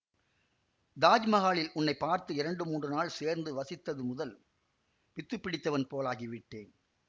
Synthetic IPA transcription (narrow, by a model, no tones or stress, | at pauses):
d̪aːd͡ʒmɐɣaːɭɪlʔʊnːɐɪpːaːɾt̪ɯɪɾɐɳɖɯmuːɳdrɯnaːɭseːɾnd̪ɯʋɐsɪt̪ːɐðɯmʊðɐl | pɪt̪ːɯpːɪɽɪt̪ːɐʋɐnpoːlaːɣiʋɪʈːeːn